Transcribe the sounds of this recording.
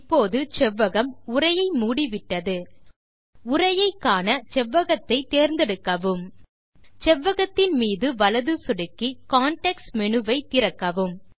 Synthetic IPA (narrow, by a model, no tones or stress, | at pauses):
ɪpːoːðɯt͡ʃɛʋːɐɣɐmʊrɐjɐɪmuːɽiʋɪʈːɐðɯ | ʊrɐjɐɪkːaːnɐt͡ʃɛʋːɐɣɐt̪ːɐɪt̪eːɾnd̪ɛɽɯkːɐʋɯm | t͡ʃɛʋːɐɣɐt̪ːɪnmiːðɯʋɐlɐðɯsʊɽɯkːikaːɳʈɐksmɛɳɯʋɐɪt̪ːɪɾɐkːɐʋɯm